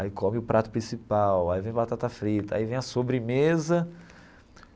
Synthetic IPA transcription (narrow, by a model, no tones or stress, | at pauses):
aikõmɪʊpɾʔat̪ʊ̥pɾĩsipawaivẽj̃abat̪at̪ɐfɾit̪ɐa̰ivẽj̃ɐsobɾɪmezɐ